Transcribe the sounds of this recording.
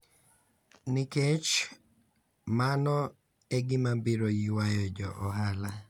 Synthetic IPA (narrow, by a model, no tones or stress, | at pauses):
nɪket͡ʃ | manɔ | eɡɪmabiɾojiwajɔd͡ʒɔʔɔɦala